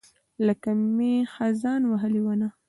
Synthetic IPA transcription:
lakamexazɑnwaɦəliwana

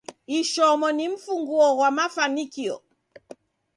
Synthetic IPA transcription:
iʃɔmɔniɱ̩fuŋɡuɔɣwamafanikiɔ̰

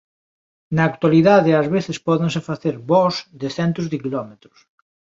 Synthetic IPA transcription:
naːkt̪waliðaðɪazβeθɪspɔðeŋs̬efaθeɾβɔsðɪθɛnt̪ʊzðɪkilɔmet̪ɾʊs

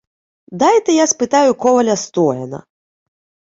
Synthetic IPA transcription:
d̪ajt̪ɛjaspɨt̪ajʊkɔvɐlʲɐst̪ɔjɐnɐ̰

